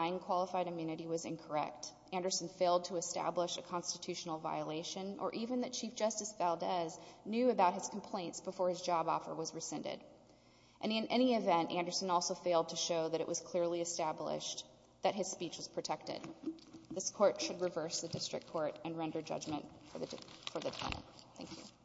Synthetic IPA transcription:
ɪ̃nkʰw̥ɑlˠəfaɪɾɨmjʉnɨɾiwʌzɪ̰̃nkʰə˞ɛ̰k̚t | æ̃ndə˞sn̩feɪlˠd̚tʰəːstæ̰bləʃɨkʰɑ̃nstɨtʰʉʃn̩l̩ˠvaɪəleɪʃɨ̃nʔə̰˞ʔivɨ̃nðɨt̚t͡ʃʰifd̥ʒ̥ʌstɨsb̥ælˠdɛznjʉɨbaʊt̚hɨz̥kʰm̩pʰl̥ẽɪ̃ntsb̥əfɔɹɨzd͡ʒɑbɔ̰fə̰˞wʌzɹɨsɛ̃ntɪ̰d | ʔɨ̃nɨ̃nʔɛñiɨvɛ̃ntæ̃ndə˞sɨ̃nɔlˠsoʊfeɪlˠd̚tʰɨʃoʊðɨɾɨʔwʌz̥kʰl̥ɪɹliɨstæblɪ̰ʃ | ðɨt̚ɦɨz̥spit͡ʃwʌz̥pʰɹ̥ɨtʰɛk̚tɪ̰d̪̚ | ðɪskʰɔɹtʃɨd̚ɹɨvɜ˞sðɨdɪstɹ̥ɨ̰kʰːɔɹɾɨ̃nɹɛ̃ndə˞d͡ʒʌ̰d͡ʒmɨ̰̃ntfə˞ðfə˞ðɨtʰɛ̰̃nɨ̰̃nθæ̰̃ŋkʰjʉ̰

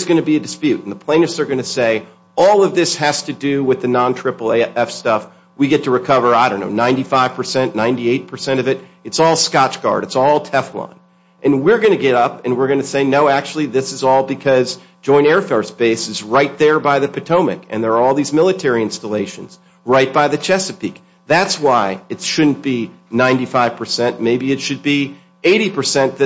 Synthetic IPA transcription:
ɨzɡʌnɨbiɨdɨspjʉɾn̩ðəpʰl̥ẽɪ̃ñɨftsə˞ɡʌnɨseɪ | ɔlˠʌvðɪshæz̥tɨdɨwɪðɨnɑ̃ntʰɹ̥ɪpl̩ˠɛfstʌf | wiɡɛtʰɨɹɨkʰʌvə˞aɪɾõʊ̃nːo̰ʊnãɪ̃ntifaɪv̥pʰə˞sɛ̃nnãɪ̃ntieɪt̚pʰə˞sɛ̃ɾ̃ʌvɨɾɨtsɔlˠskɑt͡ʃɡ̥ɑ̰ɹɾɨtsɔlˠtʰɛflɑ̰̃n | ʔɨ̃nwɪɹɡʌnɨɡɛɾʌpɨ̃nwɪɹɡʌnɨseɪnoʊæk̚t͡ʃʉl̩ˠiðɪsɨzɔlˠbɨkʰʌz̥ | d͡ʒɔ̃ɪ̃ñɛɹfɛɹsb̥eɪsɨzɹaɪt̪̚ðə˞baɪðɨpʰɨtʰõʊ̃mɨ̰kɨ̰̃nðə˞ːɔlˠðizmɪlˠətʰɛɹiɪ̃nstəleɪʃɨ̰̃n̩z | ɹaɪt̚b̥aɪðɨt͡ʃʰɛsɨpʰḭk̚ | ðætswaɪɨtʃʊdⁿn̩b̥i | nãɪ̃ntifaɪv̥pʰə˞sɛ̃nʔmeɪbiɨtʃɨd̚bi | eɪɾipʰə˞sɛ̃nðɨ

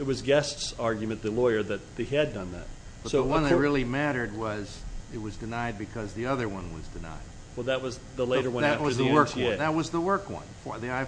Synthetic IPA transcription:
ɨt̚wʌzɡɛstsɑɹɡjmɨ̃nðɨlɔɪə˞ðɨt̪̚ðeɪɨdʌ̃nðæ̰t̚ | b̥ʌtsoʊəwʌ̃nðɨt̚ɹɪlˠimæɾə˞d̚wʌzɨt̚wʌzdɨnaɪd̚bɨkʰʌzðiʌðə˞wʌ̃nwʌ̰zdɨna̰ɪd̚wɛlˠðɨt̚wʌz | ðəleɾə˞wʌ̃nnɨæf̚wʌə˞zðəwɜ˞kðɨt̚wʌzðəwɜ˞kwʌ̰̃nfə˞ðiaɪ

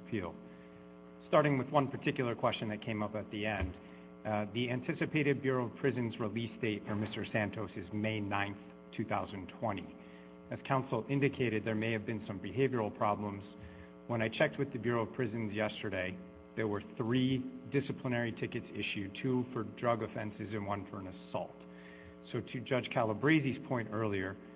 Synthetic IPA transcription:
pʰilˠ | stɑɹɾɪ̃ŋwɨðwʌ̃npʰə˞tʰɪkjl̩ˠə˞kʰw̥ɛst͡ʃɨ̃nðɨt̚kʰẽɪ̃mʌpɨt̪̚ðiɛ̃n | ðiæ̃ntʰɪsɨpʰeɪɾɨd̚bjʊɹoʊʌv̥pʰɹ̥ɪzɨ̃nzɹilisd̥eɪtfə˞mɪstə˞sæ̃ntʰoʊsɨzmeɪnãɪ̃nθ | tʰʉθaʊzɨ̃ntʰw̥ɛ̃ɾ̃ḭ | ɨz̥kʰãʊ̃nsl̩ˠɪ̃ndɨkʰeɪɾɨd̪̚ðə˞meɪɨvbɨ̃nsʌ̃mbɨɦeɪvjə˞l̩ˠpʰɹ̥ɑblə̃mz̥ | wə̃ñaɪt͡ʃʰɛk̚t̚wɨðɨbjʊɹoʊʌv̥pʰɹ̥ɪzɨ̃nzjɛstə˞ɾeɪ | ðə˞wə˞θɹidɪsɨpʰlənɛɹitʰɪkɨtsɪ̰ʃʉtʰufə˞dɹʌɡɨfɛ̃nsɨzɨ̃nwʌ̃nfə˞ə̃nɨsɔ̰lˠt | soʊɾɨd͡ʒʌd̥ʒ̥kʰælˠəbɹeɪziz̥pʰɔ̃ɪ̃ntɜ˞lˠiə˞

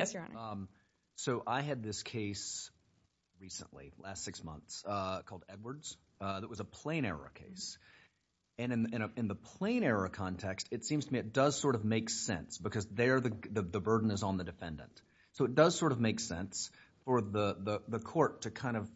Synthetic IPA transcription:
jɛs | soʊʔaɪɨd̪̚ðɪskʰeɪs | ɹisə̰̃nʔlḭlæstsɪksmʌ̰̃nθsʌkʰɔlˠdɛd̚wə˞dz̥ | ðət̚wʌzəpʰl̥ẽɪ̃ɾ̃ɛ̰ɹə̰kʰeɪs | ɨ̃nɨ̃nɨ̃ɾ̃ɨɨ̃nðəpʰl̥ẽɪ̃ɾ̃ɛɹəkʰɑ̃ntʰɛkstɨtsĩmz̥tʰəmiɨt̚d̥ʌz̥sɔɹɾʌvmeɪksɛ̰̃nsb̥ɨkʰʌzðə˞ðɨðɨðɨbɜ˞dⁿn̩ɨzn̩ðɨdɨfɛ̰̃ndɨ̰̃nt | soʊɨt̚d̥ʌz̥sɔɹɾʌvmeɪksɛ̃ns | fə˞ðəðəðəkʰɔɹtʰɨkʰãɪ̃ndʌv̥

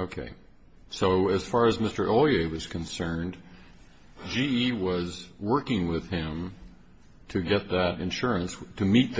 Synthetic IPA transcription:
oʊkʰḛɪ | soʊɨz̥fɑɹɨzmɪstə˞ʔolˠeɪwʌz̥kʰɨ̃nsɜ̃˞n | d͡ʒiiwʌzwɜ˞kɪ̃ŋwɪð̥ɪ̃m | tʰɨɡɛt̪̚ðɨɾɨ̰̃nʃʊɹɨ̃nstʰɨmit̪̚ð

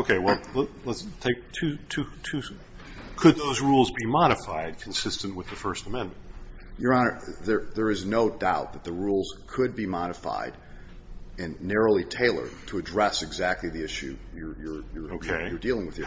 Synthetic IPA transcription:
oʊkʰeɪwɛlˠlələtstʰeɪk̚tʰʉtʰʉtʰʉ | kʰɨd̪̚ðoʊzɹulˠzbimɑɾɨfaɪd̚kʰn̩sɪstnʔ̚wəðɨfɜ˞stəmɛ̃nm̃nnt̚ | jə˞ɑnəðə˞ðə˞ɨznoʊdaʊt̪̚ðɨt̪̚ðəɹulˠz̥kʰɨd̚bimɑɾɨfa̰ɪɾ | ɨ̃nːɛɹoʊlˠitʰeɪlˠə̰˞tʰəɨdɹɛsɨɡzæk̚tˡliðiɪʃʉ̰jə˞jə˞jə˞oʊkʰeɪjə˞dilˠɪ̃ŋwɨð̥jə

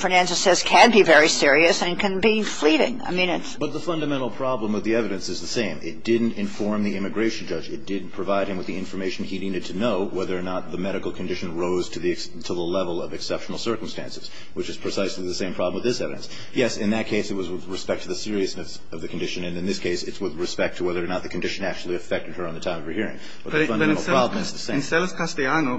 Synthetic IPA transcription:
fənæ̃nsɨsɛz̥kʰɨ̃nbivɛɹisɪɹiɨsɨ̃nkʰɨ̃nbifliɾɪ̰̃ŋa̰ɪmĩnɨtsb̥ʌt̪̚ðəfʌ̃ndɨmɛ̃ɾ̃l̩ˠpʰɹ̥ɑblə̃mwɨðiɛvɨɾɨ̃nsɨzðɨsẽɪ̃mɪ̰t̚d̥ɪdⁿn̩tɨ̃ɱfɔɹmðiɪ̃mɨɡɹeɪʃn̩d͡ʒʌd͡ʒɨt̚d̥ɪdⁿn̩pʰɹ̥ɨvaɪɾ̚ɨ̃mwɨðiɪ̃ɱfə˞meɪʃn̩iniɾɨd̚tʰɨnoʊwɛðə˞ːnət̪̚ðəmɛɾɨkl̩ˠkʰn̩dɪʃɨ̃nɹoʊz̥tʰɨði | tʰəðəlɛvl̩ˠʌvɨksɛpʃn̩l̩ˠsɜ˞km̩stæ̰̃nsɨz̥ | wɨt͡ʃɨz̥pʰɹ̥ɨsaɪsliðɨsẽɪ̃pʰɹ̥ɑbləmwɨðɪsɛvɨɾɨ̰̃ns | jɛsɨ̃nðɨt̚kʰeɪsɨt̚wʌzwɨðɹɨspɛk̚tʰɨðɨsɪɹiɨsnɨs | ʌvðɨkʰn̩dɪʃɨ̃nɨ̃nɨ̃nðɪskʰeɪsɨtswɨðɹɨspɛk̚tʰəwɛðə˞ːnət̪̚ðɨkʰn̩dɪʃɨ̃næk̚t͡ʃʉl̩ˠiɨfɛk̚tɨd̚ə̃˞nðɨtʰãɪ̃mʌvɹɨhiɹɪ̰̃ŋ | b̥ʌt̪ðɨfʌ̃nəɛ̃l̩ˠɹɑbl̃mʌðɨsẽɪ̃nsɛlˠəskʰastiano

